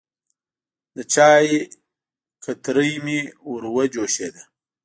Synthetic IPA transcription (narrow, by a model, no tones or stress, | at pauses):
d̪ət͡ʃɑːji | kʰat̪ɾəjmiwuɾwɐd͡ʒoːʃed̪a